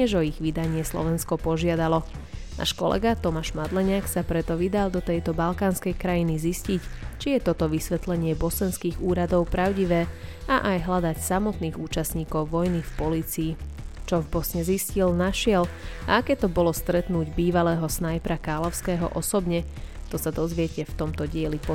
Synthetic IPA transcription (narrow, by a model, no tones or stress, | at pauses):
ɲɛʒɔiɣʋid̪aɲɪɛslɔ̰ʋɛnskɔpɔʒɪad̪alɔna̰ːʃkɔ̰lʔɛ̰ɡat̪ɔmaʒmad̪lɛɲaːksapɾɛt̪ɔʋid̪alˠd̪ɔt̪ɛjt̪ɔbalkaːnskɛjkɾajiniziscict͡ʃijɛt̪ɔt̪ɔʋisʋɛt̪lɛɲɪɛbɔsɛnskiːɣuːɾad̪ɔʊpɾaʊɟiʋɛː | aʔajɦlad̪acsamɔt̪niːɣuːt͡ʃasɲiːkɔʊʋɔjnifpɔliːt͡siːt͡ʃɔvbɔsɲɛziscilnaʃɪɛla̰akɛːt̪ɔbɔlɔst̪ɾɛt̪nuːɟbiːʋalɛːɦɔsnajpɾakaːlɔʊskɛːɦɔ̰ʔɔsɔbɲɛ | t̪ɔsad̪ɔzʋɪɛcɛft̪ɔmt̪ɔɟɪɛlipɔ